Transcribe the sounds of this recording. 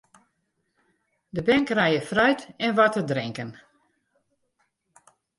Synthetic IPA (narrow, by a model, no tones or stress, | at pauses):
dəbɛŋkrajəfrœɥtɛnʋɔtədrɪŋkən